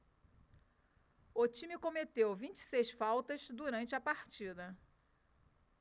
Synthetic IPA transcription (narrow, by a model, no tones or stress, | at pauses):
ʊt͡ʃĩmikomet̪ewvĩt͡ʃɪ̥sejsfawt̪ɐzd̪uɾɐ̃nt͡ʃɪɐpaɾt͡ʃid̪ɐ